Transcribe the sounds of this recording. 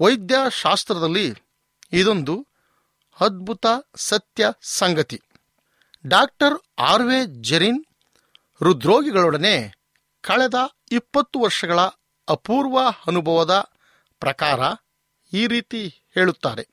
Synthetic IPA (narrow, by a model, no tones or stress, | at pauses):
ʋɐjd̪jaːʃaːst̪ɾɐd̪ɐlːiː | d̪o̞nd̪u | ɐd̪̚bʱut̪ɐsɐt̪jɐsɐŋɡɐt̪i | ɖaːk̚ʈɐɾaːɾʋeːd͡ʒeɾin | ɾud̪ɾoːɡiɡɐɭɔɽɐne | kʰɐɭɛd̪ɐ | ipːɐt̪ːuʋɐɾʂɐɡɐɭɐ | ɐpuːɾʋɐɐnubʱɐʋɐd̪ɐ | pɾɐkaːɾɐ | iːɾiːt̪ihe̞ːɭut̪ːaːɾe̞